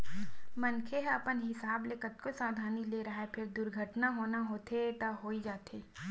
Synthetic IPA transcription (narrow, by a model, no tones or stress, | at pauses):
mɐnkʰeɦɐpənɦɪsaːblekət̪kosaːd̪ʱaːnileːɾɐɦaepʰɪɾd̪ʊɾɡʱəʈnaɦoːnaɦoːt̪ʰeʈ̪aɦoːid͡ʒaːt̪eː